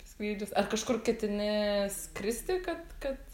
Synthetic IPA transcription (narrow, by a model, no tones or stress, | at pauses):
pɐsʲklʲiːdʲoːsɐrkɐʃkʊrkʲɛt̪ʲɪnʲɪskɾʲɪsʲt̪ʲɪkɐt̪kɐt̪